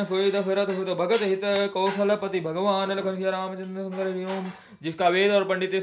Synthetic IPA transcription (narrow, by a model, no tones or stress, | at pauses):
ɐsoid̪ɐfɐɾɐt̪ɦut̪ɐbʱɐɡɐt̪ɦit̪ɐkɐːʃɐlɐpɐt̪ibʱɐɡʋaːnɐlɐkʰɐmʃjɐɾaːmɐt͡ʃɐnd̪ɐsɐŋɡɐɾɾjoːm | d͡ʒɪskaʋeːd̪ɔːɾpɐɳɖɪt̪e